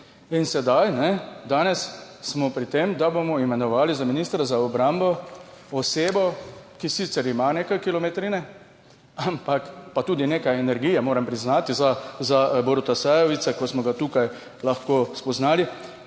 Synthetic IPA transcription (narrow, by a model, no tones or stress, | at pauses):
insɛd̪ajnɛd̪aːnɛs | smɔpɾit̪eːmd̪abomɔimɛnɔʋaːlizaminiːst̪ɾazaɔbɾambɔɔseːbɔkisit̪sɛɾimaneːkajkilɔmɛt̪ɾinɛ | ampakpat̪uːd̪ineːkajɛnɛɾɡijɛmoːɾɛmpɾiznaːt̪izazabɔɾt̪asɛjɔʋisɛkɔsmɔɡat̪uːkaj | laxkoːspɔznaːli